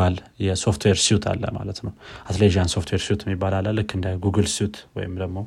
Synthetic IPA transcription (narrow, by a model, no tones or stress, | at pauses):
aljɛso̞ft̪ʰweɾsijut̪ʰa̰lːə̰ma̰lət̪nəwat̪ʰleʒianso̞ft̪ʰweɾsiut̪ʰɛmːibːalalːalːɨkːɨnd̪əɡuɡɨlsijut̪ʰwɔ̰jɪmd̪əɡmo̞